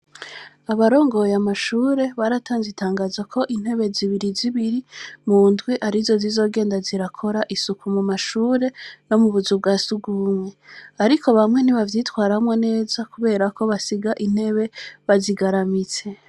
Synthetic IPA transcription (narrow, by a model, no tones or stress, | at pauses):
aβaɾo̞ːŋɡo̞jamaʃuːɾe̞βaɾatʰaːnzitʰaːŋɡaːzakʰo̞ʔin̥he̞βe̞ziβiɾiziβiɾimuːndɡwiʔaɾizo̞zizo̞ːɡe̞ːndaziɾakʰo̞ɾaʔisukumumaʃuːɾe̞no̞muβuzub̚ɡaːsuɡuumwe̞aɾiko̞βamŋe̞niβavjiːtwaːɾamwene̞ːzakuβe̞ːɾakʰo̞βasiɡaʔin̥he̞βe̞βaziɡaɾamit͡se̞